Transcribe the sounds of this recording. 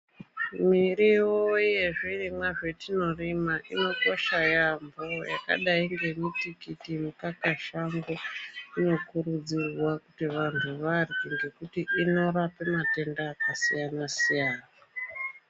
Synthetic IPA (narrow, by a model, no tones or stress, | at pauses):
miɾiwoje̞ʐirimwaʐetino̞rimaʔino̞ko̞ʃajambo̞ja̰ka̰ɗaiŋɡe̞mitikitimukakaʃaŋɡoino̞kurud͡zirwakutiʋantʰuʋarŋɡe̞kutiʔːno̞rapemate̞ndaːkasḭjanasijaːna